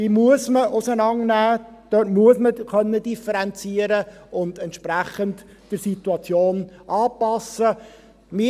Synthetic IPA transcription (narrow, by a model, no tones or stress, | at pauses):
iːmuəsməʔʊsənɑŋnæːd̥øtmuəsməkœnːəd̥ifəɾɛnt͡siəɾə | ʊndɛntʃpɾæχənt | d̥əsit̪uɑt͡sjoːnʔɑːpɑsə | mɪ